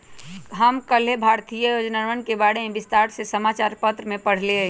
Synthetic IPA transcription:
ɦəmkəl̤ebʱaɾt̪ijəjod͡ʒnaɾənkebaɽemebist̪aɾsesəmat͡ʃaɾpət̪ɾəmepəɽ̤leəɦ

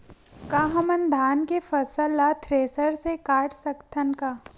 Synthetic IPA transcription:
kaːɦɐmənd̪ʱaːnkefɐsəlat̪ʰɾeːsəɾsekaːʈʰsɐkt̪ʰənkaː

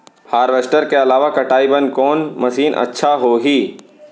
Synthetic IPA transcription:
haːɾʋeːsʈəɾkeɐlaːʋakɐʈaːibənkɔːnmɐsiːnʔɐ̰tːʃʰaɦoɦiː

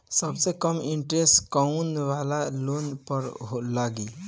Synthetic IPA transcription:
səbsekəmiɳʈɾeskəunʋalalonpəɾɦolaɡi

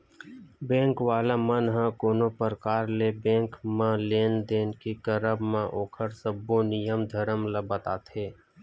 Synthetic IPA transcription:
bẽːŋkʋaːlamənɦãkoːnopəɾkaːɾlebẽːŋkmãleːnd̪eːnkikəɾəbmãʔoːkʰəɾsəbːonɪjəmd̪ʱəɾəmləbət̪aːt̪ʰeː

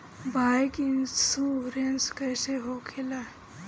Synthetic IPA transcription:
bajkinsuɾenskəjseɦokʰela

